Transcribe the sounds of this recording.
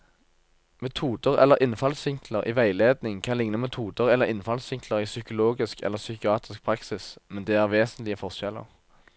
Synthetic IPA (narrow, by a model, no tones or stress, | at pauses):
mɛt̪ʰuːd̪əʁɛ̰lːəʁʔɪnfɑlsɪŋkləʁʔḭːʋæɪleːd̪nɪŋkʰɑnlɪŋnəmɛt̪ʰuːd̪əʁɛlːəʁɪnfɑlsʋɪŋkʰləʁiːsʏkʊloːɡɪskʰɛ̰lːəʁsʏkɪɑːt̪ɪsk̚pʰʁɑksɪsmɛnd̪eːæʁʋeːsənt̪lɪəfɔʁʃɛlə̰ʁ